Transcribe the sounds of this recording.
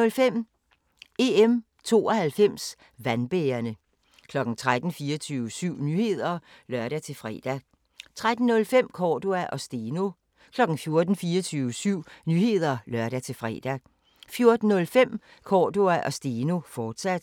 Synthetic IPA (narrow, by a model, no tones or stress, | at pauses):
ɔlfem̰ | e̝em | t͡sʰo̝̰ːɒ̽hælfem̰s | ʋænb̥eːɐnə | kʰlɒ̽ɡ̥n̩t͡sʰʁad̥n̩fiːɐt͡sʰyːʊəsyʊ̰nyhe̝ð̞̰ˠɐ | lɶɐɾæt͡sʰe̝fʁɛ̰ːd̥æ | t͡sʰʁad̥n̩ːɔ̽lfem̰kʰɒːd̥oæʔɒ̽sd̥eno̝ | kʰlɒ̽ɡ̥n̩fjo̝ɐd̥n̩fiːɐt͡sʰyːʊəsyʊ̰nyhe̝ð̞̰ˠɐlɶɐ̰ɾ̥æt͡sʰe̝fʁɛ̰ːd̥æ | fjo̝ɐd̥n̩nɔ̽lfem̰ | kʰɒːd̥oæʔɒ̽sd̥eno̝fɒːd̥sæd̥